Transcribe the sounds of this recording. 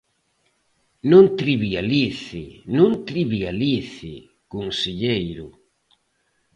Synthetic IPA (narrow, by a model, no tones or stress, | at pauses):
nũnt̪ɾiβialiθɪnũnt̪ɾiβialiθɪ | koŋseʎejɾʊ